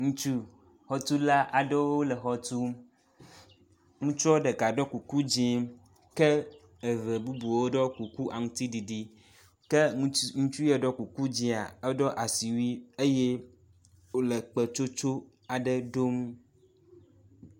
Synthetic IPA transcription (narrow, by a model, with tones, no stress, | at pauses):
ŋũ˦t͡ʃu˦ | xɔ˨t̪u˦la˦ʔa˨ɖe˦wo˦lɛ˨xɔ˦t̪u˦m | ŋũ˦t͡ʃɔ˦ɖɛ˨ɡa˨ɖɔ˦ku˨ku˦d͡ʑi˦m | kɛ˦ | e˨ve˨bu˦bu˨wo˦ɖɔ˦ku˨ku˦ʔa˨ŋũ˦t̪i˦ɖi˨ɖi˦ | ke˦ŋũ˦t͡ʃu˦jɛ˨ɖɔ˦ku˨ku˦d͡ʑi˦a˨e˦ɖɔ˦ʔa˨si˨wi˦e˦je˦ | o˦lɛ˨k͡pɛ˨t͡ʃo˦t͡ʃo˦ | a˨ɖə˦ɖo˦m